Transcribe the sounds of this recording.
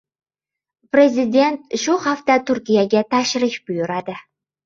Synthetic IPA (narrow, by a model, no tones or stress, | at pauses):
prʲezʲidʲent̪̚ʃuχɑft̪ɑt̪urkʲijaɡʲæt̪ɑʃrə̆ɕpujɤ̆ɾɑd̪ɘ̆